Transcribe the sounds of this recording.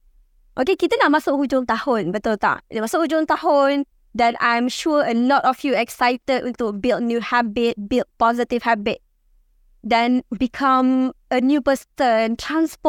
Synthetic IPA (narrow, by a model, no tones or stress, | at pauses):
ʔokekit̪ənaʔ̚masʊkhud͡ʒʊ̃ŋt̪ahʊ̃nbət̪ot̪a̰demasʊk̚hud͡ʒʊ̃ŋt̪ahʊ̃n | dɛ̃nã̰jmʃuəəlɔtɔfjuɛksajtəd̚tubil̚ˠnjuhabɪt̚bild̚pɔzitiv̥habɪt̚ | dɛ̃nbikʰãmənjupəstəntʰɹãnspɔ